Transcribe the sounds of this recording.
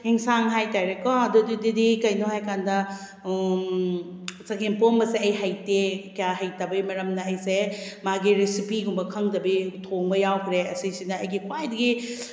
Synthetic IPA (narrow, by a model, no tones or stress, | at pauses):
hiŋsaŋɦajtajɾekɔɐdududidikɐjnoɦajkandɐ | sɐɡimpombɐseɐjɦɐjtekijaɦɐjtabɐjimɐɾɐmnɐɐjsemaɡiɾisipiɡumbɐkʰɐŋdɐbitʰoŋbɐjawkʰɾeɐsisinɐːjɡikʰwajdɐɡi